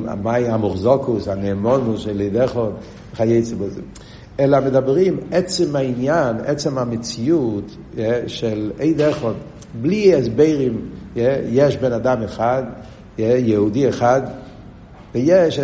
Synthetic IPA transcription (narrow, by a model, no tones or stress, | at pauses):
a̰maɪamʊχzɔkʊsanɛːmɔnʊsʃɛleɪdɛχɔd | χajeɪt͡sibɔzɪ̰ | ɛlamɪdabɾimɛt͡sɪmainjanɛ̰t͡sɛmamɪt͡siut | jɛʃɛleɪdɛχɔd | bliɛsbeɪɾimjɛjɛʃbɛnadamɛχad | jɛjɛudiɛχad | vɪjɛʃ